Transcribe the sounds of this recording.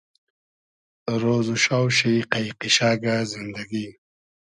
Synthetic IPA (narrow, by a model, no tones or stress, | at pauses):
ɾoːzuʃawʃijqajqiʃaːɡazɪnd̪aɡi